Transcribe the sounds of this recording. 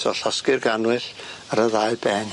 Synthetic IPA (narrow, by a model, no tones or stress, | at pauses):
sɔɬɔskɪrɡanwɨɬəɾəðajbɛn